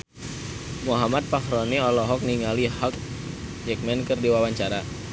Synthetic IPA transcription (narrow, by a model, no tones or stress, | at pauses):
muɦamat̪̚pahɾoniɔlɔɦɔk̚niŋalihɔk̚ | d͡ʒɛk̚mɛnkərdiwawaɲt͡ʃaɾa